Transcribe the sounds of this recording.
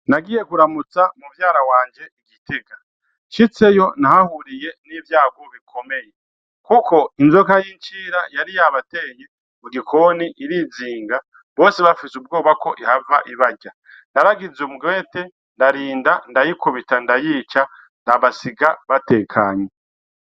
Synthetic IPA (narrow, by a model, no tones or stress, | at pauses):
naɡije̞kuɾamut͡samuvjaːɾawaːɲd͡ʒe̞iɡiteɡa | ʃit͡se̞jo̞nahahuɾije̞niːvjaːɡoβikʰo̞me̞je̞ | kuko̞inzokajiɲt͡ʃiːɾajaɾijaβate̞ːɲe | muɡikʰo̞niʔiɾiziːŋɡa | βo̞ːseβafisub̚ɡo̞ːβako̞ʔihavaʔiβaɟa | ndaɾaɡizumuɡwe̞ːte̞ | ndaɾiːndandajikuβitandajiːt͡ʃa | ndaβasiɡaβate̞ːkʰaɲe